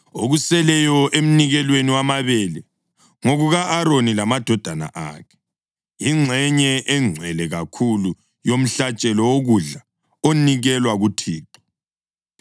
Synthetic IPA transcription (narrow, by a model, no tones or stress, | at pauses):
oɣusɛlɛjɔʔem̩niɣɛlweniwamaβɛlɛ | ŋoɣuɣaʔaɾonilamad̥ʱɔd̥ʱana̰ʔa̰ːkʰɛ̥ | iŋ͡ǁʱɛɲɛʔɛŋ͡ǀʱwɛlɛɣakʰulu | jom̩ɬat͡ʃʼɛlɔwoɣuɮa | oniɣɛlwaɣutʰiːǃḁ